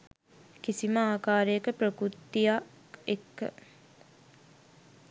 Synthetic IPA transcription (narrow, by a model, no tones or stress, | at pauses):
kisiməaːkaːɾəjəkəpɾəkɾut̪ːija | ekːə̰